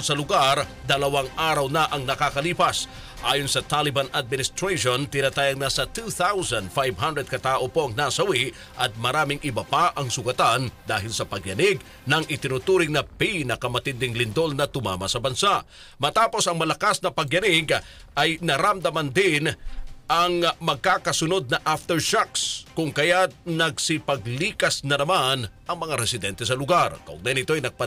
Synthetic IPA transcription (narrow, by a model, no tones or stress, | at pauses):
sɐlʊɡaɾ | d̪ɐlɐwaŋaːɾɐwnɐʔɐŋnɐkakɐliːpɐs | ʔaːjonsɐt̪alɪbɐnad̪̚mɪnɪst̪ɾejʃont̪ɪnat̪aːjɐŋnɐsɐt̪uθawzɐnd̪fajvɦɐnd̪ɾɛd̪̚kɐt̪aːʔopo̞ʔɐŋnasɐwi | ʔɐt̪̚mɐɾaːmɪŋʔɪbapaʔɐŋsʊɡɐt̪and̪aːɦɪlsɐpɐɡjɐnɪɡ̚ | nɐŋʔɪt̪ɪnʊt̪uːɾɪŋnɐpinɐkɐmɐt̪ɪnd̪ɪŋlɪnd̪o̞lnɐt̪ʊma̰ːmɐsɐbɐnsaʔ | mɐt̪aːpo̞sɐŋmɐlɐkasnɐpɐɡjɐnɪɡ | ʔɐjnɐɾɐmd̪ɐmɐnd̪ɪnʔɐŋmɐɡ̚kaːkɐsʊno̞d̪̚nɐʔaft̪ɛɹʃakskʊŋkɐjanɐɡsɪpɐɡliːkɐsnɐnɐmanʔɐŋmɐŋaɾɛsɪd̪ɛnt̪ɛs̬ɐlʊɡarkɐʔʊ̰ɡ̚najanɪt̪oɐjnɐɡ̚pɐ